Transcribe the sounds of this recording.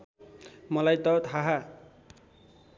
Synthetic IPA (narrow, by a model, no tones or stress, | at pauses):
mʌlajt̪ʌt̪ʰaɦa